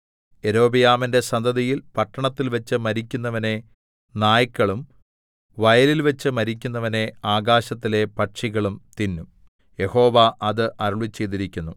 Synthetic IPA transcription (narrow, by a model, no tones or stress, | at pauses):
e̞ɾo̞ːbijaːminde̞sɐnd̪ɐðijilpɐʈːɐɳɐt̪ːilʋɐt͡ɕːɨmɐɾik̬ʲːunːɐʋɐne̞ | naːjɐkʲːɐɭum | ʋɐjɐlilʋɐt͡ɕːɨmɐɾikʲːunːɐʋɐne̞aːɡaːɕɐt̪ːile̞pɐʈʂiɣɐɭumt̪inːum | je̞ho̞ːʋaʔɐðɨʔɐɾuɭit͡ɕːejðiɾikʲːunːu